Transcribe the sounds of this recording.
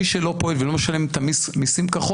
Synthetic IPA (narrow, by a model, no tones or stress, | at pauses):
iʃelo̞poelvelomeʃalemt̪amismisimkaχo